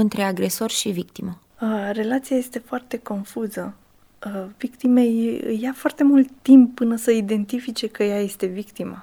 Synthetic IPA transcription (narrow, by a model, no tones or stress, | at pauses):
ɨnt̪ɾe̞aɡɾe̞so̞rʃivik̚t̪imə | əre̞lat̪siaje̞st̪e̞foart̪e̞ko̞nfuzə | vikt̪imejɨ̰jafoart̪e̞mult̪ːimpːɨnəsəid̪e̞nt̪ifit͡ʃe̞kəjaje̞st̪e̞vikt̪ima̰